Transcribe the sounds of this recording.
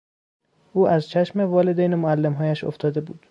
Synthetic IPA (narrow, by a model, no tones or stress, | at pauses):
ʔuːʔæzt͡ʃʰæʃmevɒːled̪ejnemoælːemɦɒːjæʃo̰ft̪ʰɒːd̪e̞bṵːd̪̥